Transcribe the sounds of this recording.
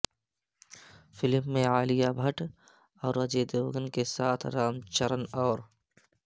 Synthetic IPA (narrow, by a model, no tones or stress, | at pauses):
fɪlmːẽaːlijabʱəʈ | ɔːɾɐd͡ʒed̪oːɡənkesaːt̪ʰɾaːmt͡ʃəɾənɔːɾ